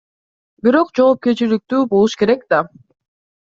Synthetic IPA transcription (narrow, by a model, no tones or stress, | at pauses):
biɾo̞qd͡ʒo̞ːp̚ke̞ɾt͡ʃilik̚t̪yːbo̞lˠuʃke̞ɾe̞kd̪a